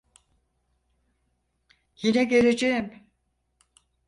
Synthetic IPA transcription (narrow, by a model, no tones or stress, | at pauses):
jinɛɡe̞ɾed͡ʒejim